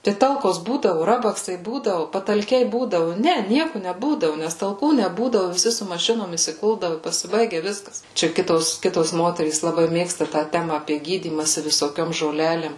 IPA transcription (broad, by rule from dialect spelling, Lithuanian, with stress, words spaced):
tɐɪ ˈtɐlˠkoːs ˈbuːdɐʋʊ ˈrɑːbɐksɐɪ ˈbuːdɐʋʊ pɐtɐlʲˈkʲɛɪ ˈbuːdɐʋʊ ˈnʲɛ ˈnʲiɛkʊ nʲɛˈbuːdɐʋʊ nʲɛs tɐlˠˈkuː nʲɛˈbuːdɐʋʊ ʋʲɪˈsʲɪ sʊ mɐˈʃʲɪnoːm ɪsʲɪˈkʊlˠdɐʋʊ ɪ pɐsʲɪˈbɐɪɡʲɛ ˈʋʲɪskɐs ˈt͡ʃʲɛ ˈkʲɪtoːs ˈkʲɪtoːs ˈmoːtʲɛrʲiːs lˠɐˈbɐɪ ˈmʲeːkstɐ tɑː ˈtʲæːmɐ ɐpʲiɛ ˈɡʲiːdʲiːmɐsʲɪ ʋʲɪsoːˈkʲoːm ʒoːˈlʲæːlʲeːm